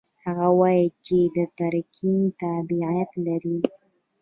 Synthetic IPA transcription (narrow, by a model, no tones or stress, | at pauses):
haɣawɑjət͡ʃed̪ət̪aɾkʰint̪abiʕijat̪laɾi